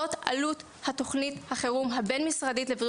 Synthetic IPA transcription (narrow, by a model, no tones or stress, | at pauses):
ota̰lut | hato̞χnithaχeʁumɦabenmisʁaditlevʁ